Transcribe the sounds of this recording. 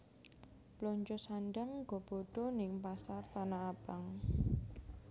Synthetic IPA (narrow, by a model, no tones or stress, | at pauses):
plɔɲt͡ʃʊsanɖaŋɡɔb̥oɖ̥ɔnɪŋpasart̪anaːb̥aŋ